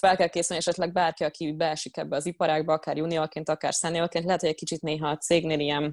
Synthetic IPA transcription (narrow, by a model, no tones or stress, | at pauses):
fɛlkɛlkeːsylniɛʃɛt̪lɛɡ̚baːrkiɒkiɟbɛɛʃikɛbːɛɒzipɒɾaːɡbɒɒkaːɾjuniolkeːnt̪ɒka̰ːrsɛnijolkeːnt̪lɛɦɛt̪hoɟɛc̚kit͡ʃit̪neːɦɒt̪seːɡneːlijɛn